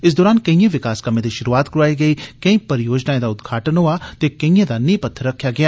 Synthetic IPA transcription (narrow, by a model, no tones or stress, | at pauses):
ɪs̬d̪oːɾaːnkɐĩẽʋɪkaːskɐmẽːd̪iʃʊɾuaːt̪kɾaːiɡɐiːkɐ̃ĩpɐɾɪjoːd͡ʒnaːẽd̪aːʊd̪ɡʱaːʈənɦoaːt̪eːkɐĩẽd̪aːnĩːpɐt̪ʰːəɾɐkʰːjaːɡɪjaː